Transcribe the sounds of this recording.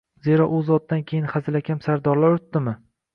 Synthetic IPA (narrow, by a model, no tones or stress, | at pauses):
ze̞ɾɒʔʊzɒt̪̚d̪ankʲʰe̞jɪnχazɪlakʲʰamsaɾd̪ɒɾlaɾʊʊt̪ːɪmɪ